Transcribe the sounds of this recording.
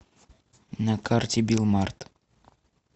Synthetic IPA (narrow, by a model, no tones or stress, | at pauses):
nɐkʰartʲɪbʲilˠmart̪